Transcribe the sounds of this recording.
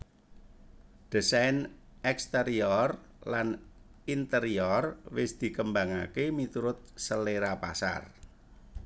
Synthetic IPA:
ɖ̪̥ə̤sajnɛkst̪əɾiɔr | lanint̪əɾiɔrwɪsd̪̥i̤kəmbaŋa̰kemit̪uɾʊt̪̚səleɾapa̰sa̰r

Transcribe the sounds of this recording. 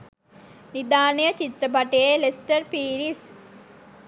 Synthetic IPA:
nid̪aːnəjət͡ʃit̪ɾəbaʈəjelesʈəɾpiːɾis

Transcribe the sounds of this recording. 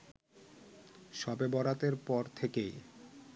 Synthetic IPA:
ʃɔbebɔɾat̪eɾpɔɾt̪ʰekej

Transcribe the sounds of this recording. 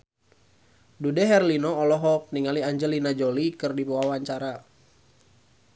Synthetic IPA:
dudɛɦɛrlinɔːlɔɦɔk̚niŋaliaɲd͡ʒəlinad͡ʒolikɨrdipuawaɲt͡ʃaɾa

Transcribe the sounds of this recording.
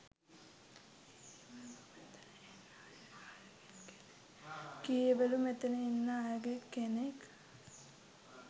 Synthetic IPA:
kijeʋelumet̪enəinːəajɡekːenek

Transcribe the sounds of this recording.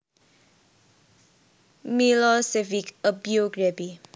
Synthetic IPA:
milɔsɛvikəbjiuɡɹɛbi

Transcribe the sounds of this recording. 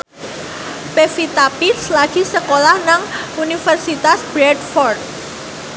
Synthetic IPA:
pefit̪apit̪slaɡ̥i̤səkolahnaŋunifɛrsit̪asb̥ɾɛdfɔrt̪̚

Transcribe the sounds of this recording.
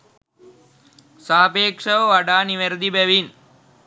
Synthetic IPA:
saɦɐpeːkʂəʋəʋaɖaːniʋeɾəd̪ibæʋin

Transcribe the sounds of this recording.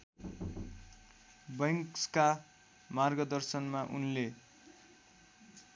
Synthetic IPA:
bʌŋkska | marɡʌd̪ʌrsʌnmaʔunle

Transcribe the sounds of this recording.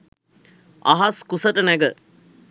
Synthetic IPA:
a̰ɦaskusəʈənæɡə

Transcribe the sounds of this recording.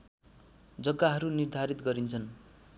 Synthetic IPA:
d͡zʌɡːaɦʌɾunird̪ʱaɾit̪ɡʌɾint͡sʰʌn

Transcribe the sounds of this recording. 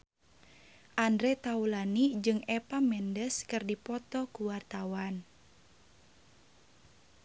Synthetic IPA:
ʔandɾɛt̪aulanid͡ʒɨŋɛpamɛndəskɨrdipɔt̪ɔkuwart̪awan

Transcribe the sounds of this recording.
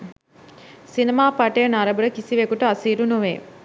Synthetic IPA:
sinemaːpaʈejənaɾəbəɾəkisiʋekuʈəasiːɾunuʋeː

